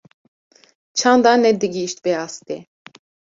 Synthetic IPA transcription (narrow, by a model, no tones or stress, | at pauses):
t͡ʃʰɑnd̪ɑnɛd̪ɨɡiʃt̪̚bɛɑst̪e